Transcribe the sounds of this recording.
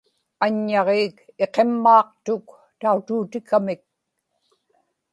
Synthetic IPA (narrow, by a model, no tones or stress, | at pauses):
aɲːɑʁeːke̞qe̞mːɑːq̚t̪ʊk | t̪aut̪uːt̪ɪkamɪk̚